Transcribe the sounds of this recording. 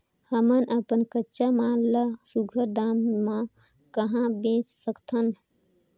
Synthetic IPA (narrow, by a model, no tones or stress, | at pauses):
həmənʔəpənkətːʃamalləsuɡʱəɾd̪amːã | kəɦãbẽt͡ʃsəkt̪ʰən